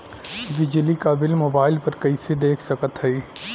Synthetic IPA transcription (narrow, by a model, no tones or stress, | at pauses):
ʋɪd͡ʒlikabɪlmoːbaːɪlpɐɾkɐised̪eːkʰsɐkət̪ɦɛi